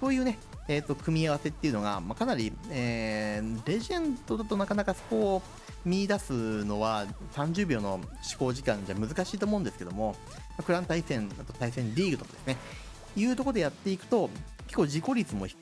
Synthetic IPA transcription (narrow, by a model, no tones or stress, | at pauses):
so̞ːjɯ̟ːne̞ | eːt̪ːo̞kɯ̟mʲiaβ̞ase̞t̪ːeiɯ̟no̞ɡa̰makanaɾʲieːɾe̞ʑiẽ̞nt̪o̞d̪at̪o̞nakanakaso̞̥ko̞ː | mʲid̪asɨno̞βasãɲ̟d͡ʑɨːbʲo̞ːno̞ɕi̥ko̞ːʑikãɲ̟d͡ʑamɯ̟zɨkaɕiːt̪o̞ːmo̞ɯ̟̃nd̪esɨ̥ke̞d̪o̞mo̞ | makɯ̟ɾãnt̪aisẽ̞nat̪o̞t̪aisẽ̞nɾʲiːɡɯ̟t̪o̞kad̪e̞sɨne | jɯ̟ːt̪o̞ko̞d̪e̞jat̪ːe̞ikɯ̟̥t̪o̞ | ke̞kːoːʑiko̞ɾʲit͡sɨmo̞çi̥